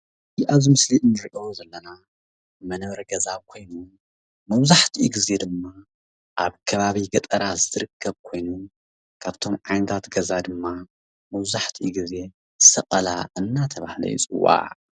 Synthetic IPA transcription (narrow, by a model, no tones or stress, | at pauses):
ʔaβzimɨsliʔɨnːɨɾiʔo̞zɐlːɐna | mɐnɐβɾɐɡɐzaβkʰo̞jnu | mɐwzaħt̪ʰiʔiɡize̞d̪ɨmːa | ʔaβkʰɐβaβiɡɐt̪ʼɐɾazɨt̪ɨɾɨkʰːɐβkʰo̞jnu | kʰaβt̪ʰo̞mʕajnɐt̪ʰat̪ɡɐzad̪ɨmːa | mɐwzaħt̪ʰiiɡize̞ | sɐqʼɐla̰ʔɨnːat̪ʰɐβahlɐ̰jḭt͡sʼɨwːa̰ʕ